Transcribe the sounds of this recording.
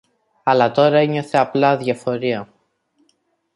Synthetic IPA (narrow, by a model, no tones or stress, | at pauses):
ɐlɐt̪o̞ɾɐe̞ɲo̞θe̞ɐplɐðʝɐfo̞ɾiɐ